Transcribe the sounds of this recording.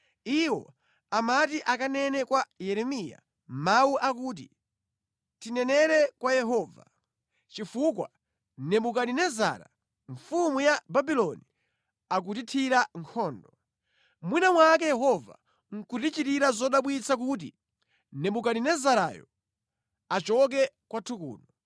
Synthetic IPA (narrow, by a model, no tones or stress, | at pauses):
iwɔ̰ | amatiʔakanɛnɛkwajɛɾɛmija̰ | mawuʔak̬uːt̬ḭ | tinɛnɛɾɛkwajɛɦɔːva | t͡ʃifukwa̰ | nɛbuk̬aɗinɛza̰ːɾa̰ | ɱfumujababilɔni | ak̬ut̬itʰiɾaŋkʰɔːndɔ | mwinamwak̬ɛjɛhɔva̰ | ŋ̩kutit͡ʃiɾiɾazɔɗaɓwit͡sʰak̬ut̬ḭ | nɛbuk̬aninɛzaɾa̰jɔ̰ | at͡ʃɔk̬ɛkwatʰukṵːnɔ